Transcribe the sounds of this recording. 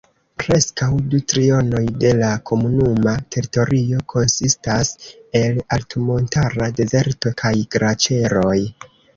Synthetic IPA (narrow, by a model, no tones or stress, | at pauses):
pɾe̞skawdutɾio̞no̞jde̞lakʰo̞munumatʰe̞ɾito̞ɾio̞kʰo̞nsistase̞laltumo̞ntaɾade̞ze̞ɾto̞kʰajɡ̥ɾat͡ʃe̞ɾo̞j